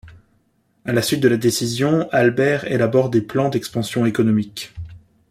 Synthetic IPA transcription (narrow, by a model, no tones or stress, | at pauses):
alasɥit̪̚d̪əlad̪esizjɔ̃albɛʁelabɔʁd̪eplɑ̃d̪ɛkspɑ̃sjɔ̃ekɔnɔmik